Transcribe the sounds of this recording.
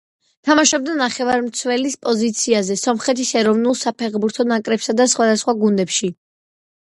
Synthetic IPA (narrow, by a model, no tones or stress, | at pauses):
t̪ʰamaʃɔb̚d̪anaχɛvaɾmt̪sʰwɛlispʼɔzit̪sʰiazɛsɔmχɛt̪ʰisɛɾɔvnulˠsapʰɛʁbuɾt̪ʰɔnakʼɾɛpsad̪asχwad̪asχwaɡund̪ɛpʃi